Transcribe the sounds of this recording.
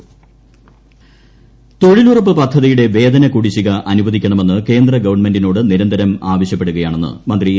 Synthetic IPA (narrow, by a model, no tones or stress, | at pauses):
t̪o̞ɻilurɐpːɨpɐd̪ʱːɐðijuɽe̞ʋe̞ːd̪ɐnɐkuɽit͡ɕːiɣɐʔɐnubɐd̪ʱikʲːɐɳɐme̞nːɨke̞ːnd̪rɐɡɐʋɐrɳme̞ndino̞ːɽɨniɾɐnd̪ʱɐɾɐmaːʋɐɕjɐpːe̞ɽuɣɐjaːɳenːɨ̰mɐnd̪ri